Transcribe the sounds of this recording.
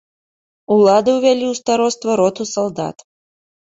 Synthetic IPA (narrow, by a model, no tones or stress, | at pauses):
ulˠad̪ɨwvʲælʲiwst̪aɾɔst̪vɐɾɔt̪usɐlˠd̪a̰t̪